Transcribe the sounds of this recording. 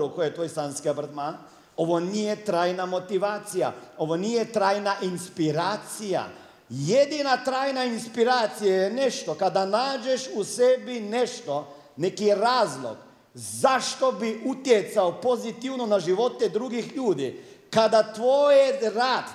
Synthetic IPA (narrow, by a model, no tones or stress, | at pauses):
ɾokojet̪ʋoːjsaːnskiobɾ̩t̪maːn | o̞ʋonijet̪ɾaːjnamo̞t̪iʋaːt̪sija̰o̞ʋo̞nijet̪ɾaːjnaʔinspiɾaːt̪sija̰ | jed̪inat̪ɾaːjnainspiɾaːt̪sijajeneʃt̪o̞kad̪anaːd͡ʒeʃusebineʃt̪o̞ | nekiɾaːzlˠo̰ɡ̥ | zaʃt̪o̞biʔut̪jet̪saopo̞zit̪iwno̞naʒiʋo̞t̪ed̪ɾuɡixʎuːd̪ḭkad̪at̪ʋoːjeɾaːd̪